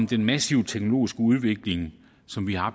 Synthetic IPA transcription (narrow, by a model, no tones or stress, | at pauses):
md̥enmæsiʊt͡sʰeɡ̥no̝lo̝̰ːisɡ̥əuð̞ˠʋe̝ɡ̥le̝ŋ | sɒ̽mʋihɑɑ